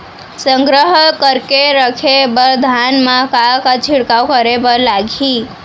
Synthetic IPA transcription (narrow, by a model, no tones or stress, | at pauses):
səŋɡɾəɦəkəɾkeɾəkʰebəɾd̪ʱanmãkakat͡ʃʰiɽkawkəɾebəlaɡʱi